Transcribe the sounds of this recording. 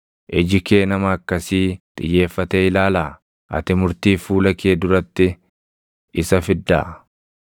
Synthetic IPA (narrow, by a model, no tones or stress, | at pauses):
ʔɛd͡ʒɪke̞ːnɐmɐɐkːɐsiːt̪ʼɪ̰jːe̞ːfːɐt̪eɪlaːlaː | ʔɐ̰t̪ɪmʊɾt̪iːfuːlɐkʰeːd̪ʊɾɐt̪ːɪ | ɪsɐfɪd̪ːa̰ː